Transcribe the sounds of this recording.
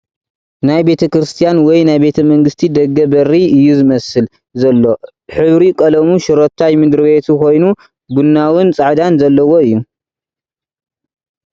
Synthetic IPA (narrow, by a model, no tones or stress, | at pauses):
najbe̞t̪ʰɐkɾɨst̪ʰijanwɔjnajbe̞t̪ʰɐmɐŋɡɨst̪ʰid̪ɐɡːɐbɐrːiɨjːuzɨmɐsɨl | zɐlːo̞ | ħɨβɾikʼɐlɐmuʃɨɾot̪ʰːajmɨd̪ɾɨβet̪ʰuko̞jnu | bunːawʊnt͡sʼɨʕd̪anzɐlːɐwoɨjːu